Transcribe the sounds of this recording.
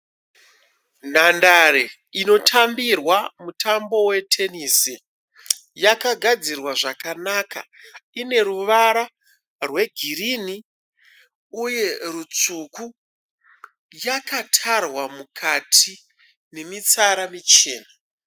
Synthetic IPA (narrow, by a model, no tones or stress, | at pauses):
nandaɾe | ino̞tʰambirwamutʰambo̞we̞tʰe̞nisi | jakaɡʱad͡zirwaʐakanaka̰ | ine̞ɾuʋaɾa | rwe̞ɡʱirini | uje̞rut͡suku | jakʰatʰarwamukʰatʰi | ne̞mit͡saɾamit͡ʃe̞ːna